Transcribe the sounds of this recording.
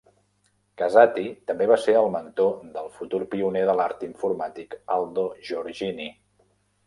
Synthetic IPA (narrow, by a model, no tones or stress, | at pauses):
kəzat̪it̪əmbeβ̞aseəlˠmənt̪od̪əlˠfut̪uɾpiuneðəlaɾt̪iɱfuɾmat̪ikalˠd̪oʒuɾʒini